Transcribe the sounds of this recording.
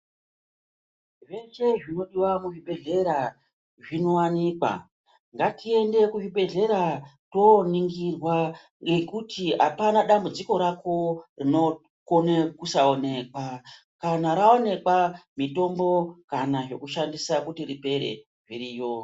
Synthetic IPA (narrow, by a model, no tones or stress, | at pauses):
ʐe̞se̞ʐino̞ɗiwamuʐiɓe̞ɮe̞ɾa | ʐino̞wanikwa̰ | ŋɡatie̞nde̞kuʐiɓe̞ɮe̞ɾa | to̞niŋɡirwa | ŋɡe̞kutʰiɦa̰panaɗambud͡ziko̞ɾako̞rino̞ | konekusao̞ne̞kwa | kanaɾao̞ne̞kwamito̞mbo̞kanaʐe̞kuʃandisakutiripe̞ɾe̞̰ | ʐiɾiːjo̞